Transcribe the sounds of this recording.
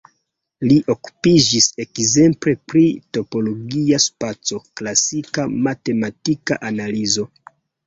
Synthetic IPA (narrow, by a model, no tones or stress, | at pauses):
liʔo̞ku̥pid͡ʒise̞kze̞mpɾe̞pɾito̞po̞lo̞ɡiaspat͡so̞klasikamate̞matika̰ʔanalizo̞